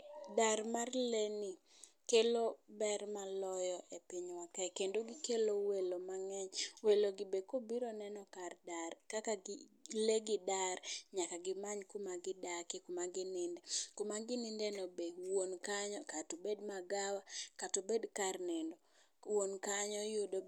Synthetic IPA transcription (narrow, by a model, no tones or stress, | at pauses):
daɾmarleni | kelobɛɾmalɔjɔʔepɪɲwakajkendoɡikelowelomaŋɛɲweloɡɪbekobiɾɔnɛnɔkardarkakaɡleɡɪdarɲakaɡɪmaɲkumaɡɪdakɪkomaɡɪnɪndɛkomaɡɪnɪndɛnɔbewonkaɲɔkatobedmaɡawakatobedkarnɛndɔ | wonkaɲɔjodo